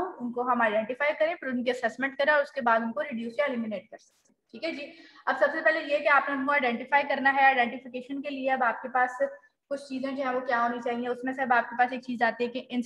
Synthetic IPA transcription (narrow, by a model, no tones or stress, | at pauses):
ũʊnkoɦɐmaːɪɖɛ̃ːɳʈɪfaːjkɐɾẽːpʰɐɾʊnkiɐsɛːsmɛ̃ɳʈkɐɾẽɔːɾʊskebaːd̪ʊnkoɾɪɖjuːsjaeliːmineːʈ̚kɐɾsɐ̥k̚t̪ẽʈʰiːkʰɛd͡ʒiːɐbsɐbsepɛːlejeɦɛkiaːpneʊnkoaɪɖɛ̃ːɳʈɪfaːjkɐɾnaɦɛaːɪɖɛ̃ːɳʈɪfɪkeːʃənkelieɐbaːp̚kepaːs | kʊt͡ʃʰt͡ʃiːzẽd͡ʒoːɦɛ̃ʋokjaɦoːnit͡ʃaːɦiɛ̃ʊsmẽseɐbaːp̚kepaːseːk̚t͡ʃiːzaːt̪iɦɛkiʔɪn